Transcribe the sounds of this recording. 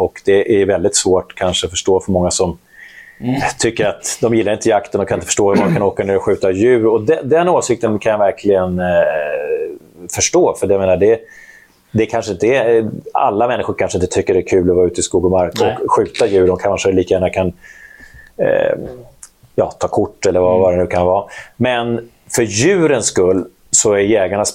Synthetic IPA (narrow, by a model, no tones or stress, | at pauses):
ɔkd̪ɛʔæjvɛld̪ɪt̪svoːʈkʰanʂəɔfœʂʈoːfœɾmɔŋːasɔm | t̪ʰʏkːəɾat̪d̪ɔmjɪlːɾɪnt̪əjakt̪ənɔkanɪnt̪əfʰəʂʈoːɔmd̪ɔkʰanoːkaneːɾɔɧʉ̟ːt̪ajʉ̟ːɾɔd̪ɛd̪ɛnːoːsɪk̚t̪ənkʰanjavæɾkʰlɪɡən | fœʂʈoːfœɖɛjameːnaɖɛ | d̪ɛkʰanʂəɪnt̪əɛa̰lːamɛnːɪxʊɾkʰanʂəɪnt̪ət̪ʰʏkːəɖɛækʰʉ̟ːlɔvɑːʉ̟ːt̪əɪskuːɡɔmaɾkkɔkɧʉ̟ːt̪ajʉ̟ːɾɔmkʰanʂəliːkajæːnakʰan | jɑ̰ːt̪ʰɑːkʰʊʈːɛlːəɾvavaɾɛnʉ̟ːkʰanvɑːmɛn | fœɾjʉ̟ːɾənskɵlː | sɔæɾjɛːɡaɳas